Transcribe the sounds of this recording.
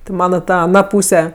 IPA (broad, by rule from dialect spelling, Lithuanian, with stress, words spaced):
tʲɪ ˈmɑːnɐ ˈtɐ ɐˈnɐ ˈpuːsʲɛ